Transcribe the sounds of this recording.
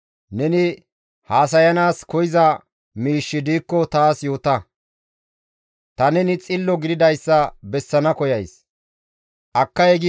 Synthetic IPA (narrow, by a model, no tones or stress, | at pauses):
nɛnɪ | haːs̬ɐjɐnaːskɔjɪzɐ | miːʃːɪd̪iːkːɔt̪aːsjo̞ːt̪ɐ | t̪ɐnɛnɪt͡sʼɪlːɔɡɪd̪ɪd̪ɐjsːɐbɛsːɐnɐkɔjɐjs | ʔɐkːɐjɛɡɪ